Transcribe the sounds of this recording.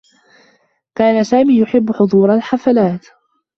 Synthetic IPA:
kaːnasaːmiːjʊħɪbːʊħʊd̪ˤuːɾˤalħafalaːt̪

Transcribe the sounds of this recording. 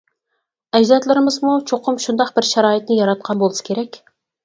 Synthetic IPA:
ɛd͡ʒd̪ɑt̪lˠɨɾɪmɨzmut͡ʃʰoqʰʊmʃund̪ɑqbɪɾʃæɾɑːɨt̪̚nɪjɑɾɑt̪̚qʰɑnbolˠɨsɨ̥kʲʰeɾɛkʲ

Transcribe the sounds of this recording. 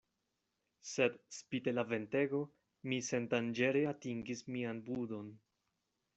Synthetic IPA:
se̞dspite̞lave̞nte̞ɡo̞ | mise̞ndand͡ʒe̞ɾeatiŋɡismianbudo̞n

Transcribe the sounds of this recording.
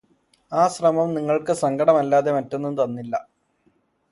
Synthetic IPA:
aːɕrɐmɐmniŋːɐɭkɨsɐŋɡʰɐɽɐmɐlːaːðe̞mɐtːenːend̪ɐnːilːɐ̰

